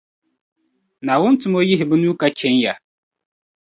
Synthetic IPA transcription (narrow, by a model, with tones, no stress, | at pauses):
na˨wʊ˦ntʊ˨mɔ˦jɪ˦ɦɪ˨bʊ˦nu˦ka˦t͡ʃɛ˨˦nja˨